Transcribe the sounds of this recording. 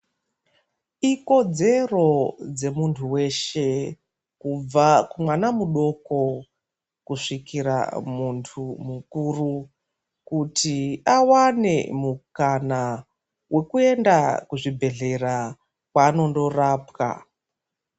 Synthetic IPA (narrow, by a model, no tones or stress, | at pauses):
iko̞d͡ze̞ro̞d͡ze̞muntʰuwe̞ʃe̞ | kub͡vakumwanamuɗo̞ko̞ | kuʂikiɾa̰muntʰumukuru | kutiawane̞̰mukana | wʔe̞kue̞ndakuʐibʱe̞ɮe̞ra | kwaːno̞ndo̞raːpka̰